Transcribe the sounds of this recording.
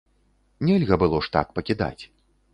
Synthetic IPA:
nʲɛlʲɣɐbɨlˠɔʂt̪a̰kpɐkʲid̪a̰t͡sʲ

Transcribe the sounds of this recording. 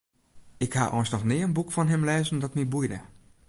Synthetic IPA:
ɪkha̰ʔɔ̰jnsnɔxnɪəənbukfɔnɦɪmlɛːzəndɔtmibujdə̰

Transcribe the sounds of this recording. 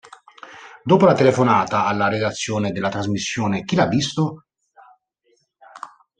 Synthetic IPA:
d̪oːpolat̪elefonaːt̪aalːaɾed̪at̪sːjoːned̪elːat̪ɾazmisːjoːnek̟ilavːist̪o

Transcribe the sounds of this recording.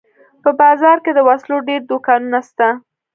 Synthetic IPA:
pəbɑzɑɾked̪əwasloɖeɾd̪okɑnunast̪a

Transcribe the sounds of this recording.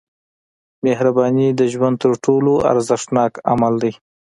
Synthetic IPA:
mehɾabɑnid̪əʒwand̪̚t̪əɾʈʰoloʔa̰ɾzɪʂʈnɑka̰mald̪aj

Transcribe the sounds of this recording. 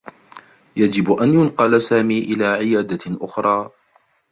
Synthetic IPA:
jad͡ʒɪbʔanjʊnqɑlsaːmiːʔɪlaːʕɪjaːd̪aʔʊxɾˤɑː

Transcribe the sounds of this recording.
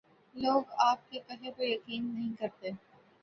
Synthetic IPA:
loːɡaːp̚kekɐɦekojɐqiːnːɐɦĩkɐɾt̪e

